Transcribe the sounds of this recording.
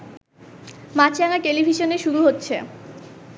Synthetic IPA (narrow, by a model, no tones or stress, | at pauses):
mat͡ɕʰjaŋaʈelibʱiʃoneʃuɾuɦotːɕʰe